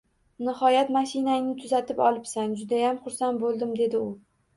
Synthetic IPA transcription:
nɪhɒjat̪maʃinaɪnɪt̪ʰʊzat̪ʰɪpɒlˠɪpsand͡ʒʊd̪ajamχʊɾsan̚bolˠd̪ɪmd̪e̞d̪ɪʊ

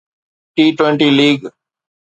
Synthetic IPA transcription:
ʈiːʈwẽɳʈiːliːɡ

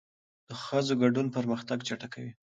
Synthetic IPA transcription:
d̪̥əxəzoɡaɖunpəɾməxt̪aɡt͡ʃaʈakawi

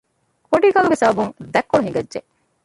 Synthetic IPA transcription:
koɳʈiːkɐluɡesɐbɐbuŋd̪ɛkːoɭuɦiŋɡɐdːʒe

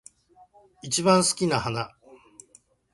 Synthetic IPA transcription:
it͡ɕibãɰ̃sɨ̥kʲinahana

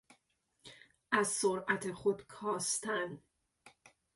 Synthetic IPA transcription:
ʔæzsoɾæt̪ʰe̞xod̪kʰɒːst̪æn

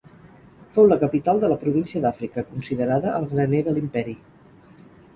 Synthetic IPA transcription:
fowləkəpit̪alˠd̪ələpɾuβ̞insiəðafɾikəkunsiðəɾaðəʔəlˠɣɾəneðəlimpɛɾi

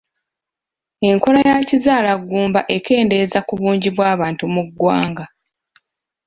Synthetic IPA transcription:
e̞ŋko̞lajacizaːlaɡːuːmbaʔe̞ke̞ːnde̞zakuβuːɲɟiβwaːβaːntumuɡːwa̰ːŋɡa

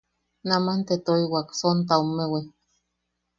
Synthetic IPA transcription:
namant̪et̪oiwaksont̪̬aomːewi

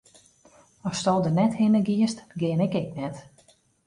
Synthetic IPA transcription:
ɔstɔlˠdənɛthɪnəɡiəstɡɪənɪkɪk̚nɛt

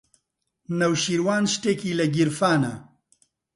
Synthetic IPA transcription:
nɐwʃiːɾwaːnʃt̪eːkiːlɐɡiɾfaːnɐ̰

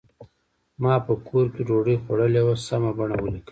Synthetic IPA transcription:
mɑpəkʰoɾkeɾoɽəjxwaɽəlewasamabaɳawəlikə

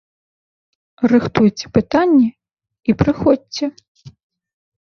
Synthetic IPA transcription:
rɨxt̪ujt͡sʲɛ̥pɨt̪anʲːɛ | ipɾɨxɔdʲt͡sʲɛ

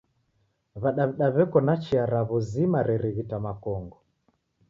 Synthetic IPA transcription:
βaɗaβiɗaβɛkɔnat͡ʃiaɾaβɔzimaɾɛɾɛβitamakɔŋɡɔ

